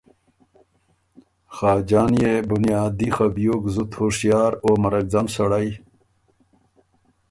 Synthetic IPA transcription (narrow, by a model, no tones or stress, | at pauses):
xaːd͡ʑaːnjebunijaːd̪ixɐbjoɡzut̪hoʂjaːɾoːmɐɾɐk̚d͡zɐmsɐɽaj